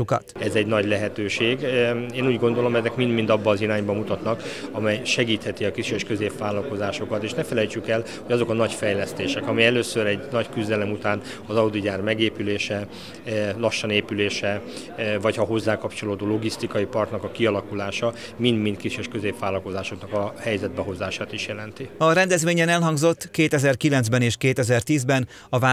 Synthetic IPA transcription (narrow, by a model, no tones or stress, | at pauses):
ukɒ̰t̪ɛzɛɟnɒɟlɛɦɛt̪øːʃeːɡeːnuːɟɡo̞nd̪o̞lo̞mɛzɛkmind̪mind̪ɒbːɒːzinaːɲbɒmut̪ɒt̪nɒkɒmɛjʃɛɡiːt̪hɛt̪iɒkiʃyjɛʃkø̞zeːpʋaːlɒlko̞zaːʃo̞kɒt̪eːʃnɛfɛlɛjt͡ʃykɛl | ho̞ɟɒzo̞kɒnɒɟfɛjlɛst̪eːʃɛkɒmɛjɛløːsøɾɛɟnɒckyzd̪ɛlɛmut̪aːn | ɒzɒud̪iɟaːrmɛɡeːpyleːʃɛ | lɒʃːɒneːpyleːʃɛ | vɒchɒɦo̞zːaːkɒpt͡ʃo̞loːd̪oːlo̞ɡist̪ikɒjipɒrt̪nɒkɒkiɒlɒkulaːʃɒ | mind̪mint̪kiʃøʃkøzeːpʋaːlɒlko̞zaːʃo̞knɒkɒhɛjzɛd̪̚bɛɦo̞zaːʃaːt̪iʃjɛlɛnt̪iɒɾɛnd̪ɛzʋeːɲɛnɛlɦɒŋɡzo̞t̪ːkeːt̪ɛzɛrkilɛnzbɛneːʃkeːt̪ɛzɛrt̪iːzbɛn | ɒva